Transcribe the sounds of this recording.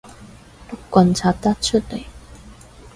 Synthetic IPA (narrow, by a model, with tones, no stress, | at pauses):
t̪ʊ˥kkʷːwɐ˧nt͡sʰaː˧t̚t̪ɐ˥t̚t͡ʃʰɵ˥t̚le˨˩j